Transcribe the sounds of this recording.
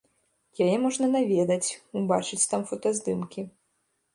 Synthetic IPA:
jajɛmɔʐnɐnavʲed̪ɐt͡sʲubat͡ʂɨt͡sʲt̪amfɐt̪azd̪ɨmkʲi

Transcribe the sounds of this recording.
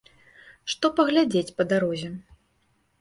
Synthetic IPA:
ʂt̪ɔpɐɣlʲad͡zʲet͡sʲpɐd̪aɾɔzʲɛ

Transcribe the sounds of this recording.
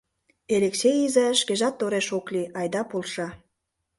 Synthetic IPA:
eleksejizeʃkeʒɑt̪ːoɾeʃokliɑjd̪ɑpolˠʃɑ

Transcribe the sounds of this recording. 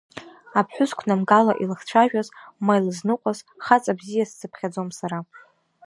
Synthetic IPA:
apʰħʷᶣʊzkʷʰnamɡalaʔilɨχt͡ɕʷʰaʒᶣazmajlɨznɨqʷʼazχat͡sʼabzijassɨpʰχʲad͡zomsaɾa

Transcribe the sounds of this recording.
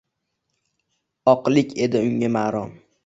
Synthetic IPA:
ɒqlˠɪkʲe̞d̪ɪʊŋʲamaːɾɒm

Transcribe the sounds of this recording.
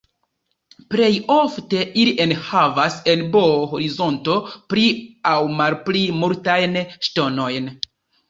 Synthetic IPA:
ple̞jo̞fte̞ʔiliʔe̞nhavase̞lbo̞oɦo̞ɾizo̞nto̞pɾiawmalplimuɾtajnʃto̞no̞jn

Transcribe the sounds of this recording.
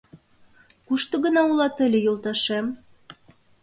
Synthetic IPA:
kuʃt̪ŏɣə̆nɑulɑt̪ə̆lʲĕjolˠt̪ɑʃem

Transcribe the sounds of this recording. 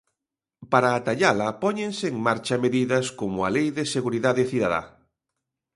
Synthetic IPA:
paɾaːt̪aʎalɐpɔɲeŋsɪːŋmaɾt͡ʃɐmeðiðɐskomʊalejðeseɣuɾiðaðeθiðaða̰

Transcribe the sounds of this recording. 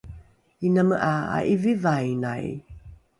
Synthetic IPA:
inəməʔaa̰ʔivivajnaj

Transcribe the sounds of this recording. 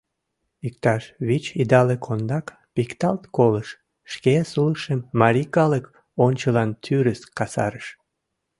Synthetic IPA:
ik̚t̪ɑʃβit͡ɕid̪ɑlekʰond̪ɑk | pikt̪ɑlt̪koləʃː | kesuləʃemːɑɾʲikɑlək | onʲt͡ɕəlɑnt̪ʰyɾəskɑsɑ̰ɾəʃ

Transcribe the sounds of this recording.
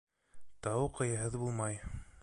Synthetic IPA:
t̪ɑwqɤ̆jɤ̆ɦɤðbulˠmɑj

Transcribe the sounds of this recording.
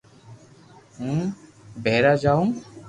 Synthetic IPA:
ũbɛɾad͡ʒauŋ

